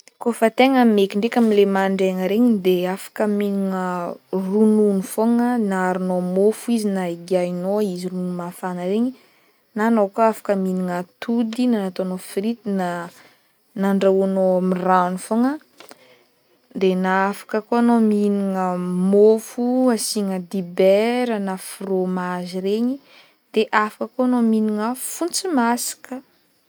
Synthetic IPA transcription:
kofat̪eŋəmekiɳɖ͡ʐekʲamilemaɳɖ͡ʐeŋəɾeɲid̪eafḁkəminiŋərununufoŋənaaɾinomofuizinaiɡiainoizirununumafanəɾeɲi | nanokoafḁkəminiŋət̪ud̪inanat̪oanofɾit̪ina | naɳɖ͡ʐawanomiranufaŋə | d̪enaafḁkəkoanominiŋəmofuasiŋəd̪ibɛɾənafromaʒireɲi | d̪̥eʔafakəkoanominiŋəfunt͡simasḁkə

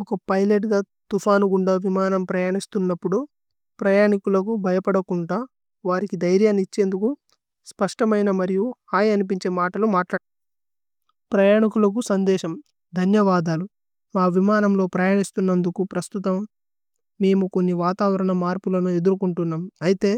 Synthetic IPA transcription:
ɔkɐpɐjleʈɡɐ | t̪upʰaːnuɡuɳɖaːʋimaːnɐmpɾɐjaːɳist̪unːɐpːuɽu | pɾɐjaːɳikulɐkubʱɐjɐpɐɽɐkuɳɖaː | ʋaːɾikid̪ɐjɾjaːnit͡ʃːe̞ːnd̪uku | spɐʂʈɐmɐjnɐmɐɾijuhaːjɐnip̬iɲt͡ʃe̞ːmaːʈɐlumaːʈlaː | pɾɐjaːɳikulɐk̬usɐnd̪ɛːʃɐm | d̪ʱɐnjɐʋaːd̪aːlu | maːʋimaːnɐmlo̞ːpɾɐjaːɳist̪unːɐnd̪ukupɾɐst̪ut̪ɐmː | e̞ːmuko̞nːiʋaːt̪aːʋɐɾɐɳɐmaːɾpulɐnue̞d̪uɾukuɳʈunːaːmɐjit̪e̞ː

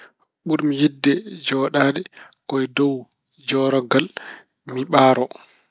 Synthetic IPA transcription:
ɓuɾmijidːɛd͡ʒɔːɗaːɗɛ | kɔjdɔw | d͡ʒɔːɾɔɡal | miɓaːɾɔ

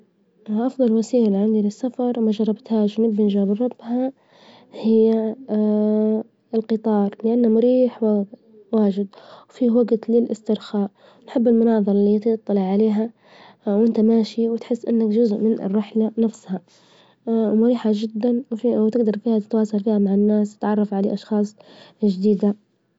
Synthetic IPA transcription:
ʔɑfðˤɑlwasiːlʕand̪ilɪsːafɑɾˤwmaʒɑɾˤːɑbt̪haːʃwnɪbːɪnʒɾˤɑbrˤːɑb̥ːha | hɪjːa | ɪlqɨt̪ˤɑːɾˤlɪʔanːamʊɾiːħwa | waːʒɪd̪wfiːwaɡt̪lɪlʔɪst̪ɪɾxaːʔ | wnħɪbːɪlmʊnɑːðˤɑɾˤɑlit̪ɨt̪ˤːɑlɪʕaleːɦa | wʔɪnt̪amaːʃiwɪt̪ħɪsːʔɪnːakʒʊzʔmɪnɪ̰rːɪħlanafsha | mʊɾiːħad͡ʒɪd̪ːanwfiwt̪ɪɡd̪ɑɾˤfiːhat̪ɪ̥t̪wɑːsɑlfiːhamaʕɪnːaːst̪ɪ̥t̪ʕɑrˤːɑfʕalḛʔɑʃxɑːsˤʒd̪iːd̪a

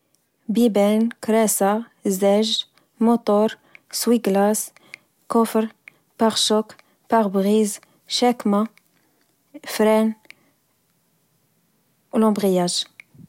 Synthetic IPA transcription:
bibɛnkɾɛsa | zɛʒ | mʊt̪ɔɾ | swiɡlas | kɔfəɾ | paʁʃɔk | paʁbʁiz | ʃɛkma | fɾɛn | ulɑ̃bʁijaʒ

